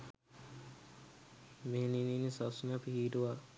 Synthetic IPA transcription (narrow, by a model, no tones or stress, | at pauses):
ʋenininːisasunapihiːʈuʋa